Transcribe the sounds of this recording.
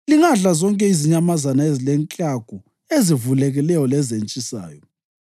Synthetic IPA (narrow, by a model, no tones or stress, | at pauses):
liŋaɮazɔŋkʼɛiziɲamazanaezilɛŋkʼaɡ̥ʱu | ezivulɛɣilɛjɔlɛzent͡ʃʼisa̰ːjɔ